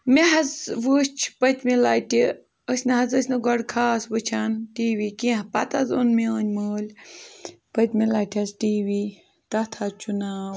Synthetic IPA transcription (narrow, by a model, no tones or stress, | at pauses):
meɦɐzʋuːst͡ʃʰpɐt̪ʲmilaːti | əsʲnɐɦɐzəsʲnɨɡɔɽkʰaːsʋɨt͡ʃʰanʈiːʋiːkĩːɦpɐ̰t̪ɐzunmeəːnʲməːlʲ | pət̪ʲmilaːʈʰʲɐzʈiːwiː | t̪ɐt̪ʰat͡ʃunaːw